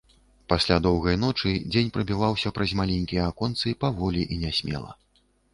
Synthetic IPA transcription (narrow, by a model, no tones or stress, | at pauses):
pasʲlʲad̪ɔwɣɐjn̪ɔt͡ʂɨd͡zʲenʲpɾɐbʲivawsʲɐpɾɐzʲmalʲɛnʲkʲijɐakɔnt̪sɨpavɔlʲiʔinʲɛsʲmʲɛ̰lˠɐ̰